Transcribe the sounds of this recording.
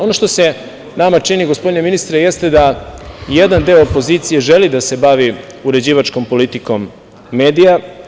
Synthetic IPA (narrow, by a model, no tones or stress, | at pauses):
o̞no̞ʃt̪o̞se | namat͡ʂiniɡo̞spo̞d̪ineminist̪ɾeje̞st̪e̞d̪ajed̪and̪eoopo̞ziːt̪sije̞ʒelid̪ase̞baʋi | uɾe̞d͡ʑiːʋat͡ʃko̞mpo̞lit̪iko̞mː | eːd̪ija